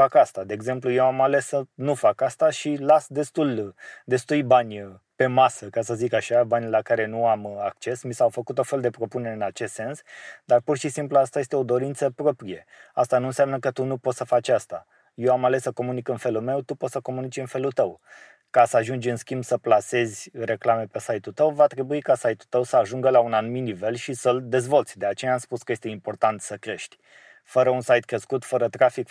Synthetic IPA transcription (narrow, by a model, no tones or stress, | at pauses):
fakast̪ad̪e̞ːɡze̞mpluje̞wamale̞sənufakast̪aʃilasd̪e̞st̪uld̪e̞st̪ujbanʲpe̞masəkasəzikaʃabanʲlakaɾe̞nuamakt͡ʃe̞smisawfəkut̪ofe̞ld̪e̞pɾo̞puneɾeɨnat͡ʃe̞st̪se̞nsd̪arpurʃisimpluast̪aje̞st̪eo̞d̪o̞ɾint̪səpɾo̞pɾije̞ | ast̪anuɨnsʲamnəkət̪unupo̞t̪səfat͡ʃʲast̪a̰ | jewamale̞sːəko̞munikɨnfe̞lulme̞wt̪upo̞t̪səko̞munit͡ʃɨnfe̞lult̪əw | kasəaʒund͡ʒɨnskʲimbsəplase̞zʲre̞klame̞pe̞sajt̪ult̪əwvat̪ɾe̞buikasajt̪ut̪əwsəaʒuŋɡəlaunanumit̪nive̞lʃisəld̪e̞zvo̞lt̪sʲd̪e̞at͡ʃe̞jaːmspuskəje̞st̪e̞impo̞rt̪ant̪səkɾe̞ʃt̪ʲ | fəɾəunsajt̪̚kɾe̞skut̪fəɾət̪ɾafik